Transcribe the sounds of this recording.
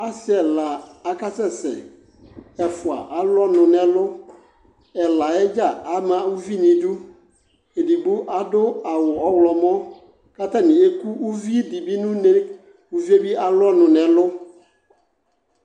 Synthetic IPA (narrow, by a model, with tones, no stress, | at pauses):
a˦sɪ˦ɛ˨laː˨˦ka˦sɛ˦sɛ̰˨ | ɛ˨fʊ˨a̰˨ʔa˨lɔ˦nʊ̃˨nɛ̃˨lʊ˦ | ɛ˨la˨ɛ˦d͡ʒa˦˨a˨˦mã˨˦u˦vi˦nĩ˨dʊ˦ | e˨di˨ɡ͡bu˦ʔa˨dʊ˦a˨wʊ˨ɔ˦wlɔ˨mɔ̃˦ | ka˦t̪a˦nɪ̃˨e˦ku˦u˦vi˦di˨bi˦nʊ̃˦nɛ˦ | wu˦vi˦e˦bi˦a˨lɔ˦nʊ̃˨nɛ̃˨lʊ˦